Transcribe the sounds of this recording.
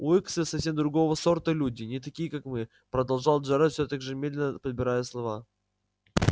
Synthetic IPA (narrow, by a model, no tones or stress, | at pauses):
uɛksəsɐfsʲe̞md̪ɾʊɡo̞vəso̞rt̪əlʲudʲɪnʲɪt̪ɐkʲijəkakmɨ | pɾəd̪ɐlˠʐɑlˠʐaɾafsʲot̪akʲʐɨmʲe̞d̪lʲɪnəpəd̪̚bʲɪɾajəslˠɐva